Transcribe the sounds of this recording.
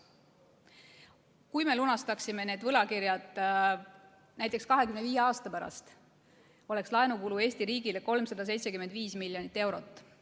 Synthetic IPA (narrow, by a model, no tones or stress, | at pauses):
kujme̞lunɑst̪ɑksime̞ne̞ːd̪vɤlɑkiɾjɑd̪̥ | næjt̪ːˑekskɑɦe̞kymneviːjeɑːst̪ɑpæɾɑ̰st̪ | o̞le̞kslɑenukulue̞ːst̪iɾiːɡ̥ileko̞lmsɑd̪̥ɑse̞jt̪se̞kymed̪viːsmilʲjonit̪ːe̞wɾo̞t̪ːˑ